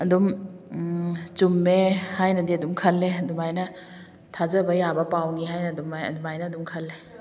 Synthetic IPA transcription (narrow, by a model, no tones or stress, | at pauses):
ɐdum | t͡ʃumːehajnɐdiɐdumkʰɐlːeɐdumajnɐ | tʰazɐbɐjabɐpawniɦajnɐdumajɐ̰dumajnɐdumkʰɐlːe